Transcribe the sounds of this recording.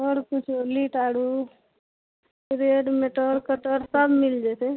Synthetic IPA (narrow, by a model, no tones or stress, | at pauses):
ɔɽkʊt͡ʃʰoliʈaːɽu | ɾeːɖmeʈɔɾkəʈəɾsəbmɪld͡ʒese